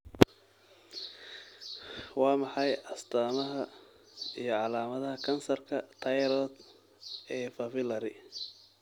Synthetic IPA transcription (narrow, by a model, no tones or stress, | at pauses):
wɑːmɑħɑjɐst̪ʰaːmɐɦɐ | ijɞʕɑlaːmɐðɐɦɐkʰɐnsɐrkʰɐt̪ʰɐjɾɔːd̪ | ɛːfɐfɪlɐɾɪ